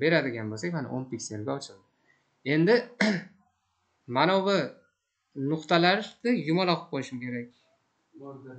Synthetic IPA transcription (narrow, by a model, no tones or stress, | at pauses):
be̞ɾad̪ɪɡʲanbolsakʲmana̰ʔonpikʲseɾɡʲaɒt͡ʃʰɪlˠd̪ɪ | e̞nd̪ɪ | manɒva | nʊqt̪alaɾd̪ɪjʊmɒlˠɒqʰɨp̚qʰolɪʃɪmkʲʰe̞ɾakʲ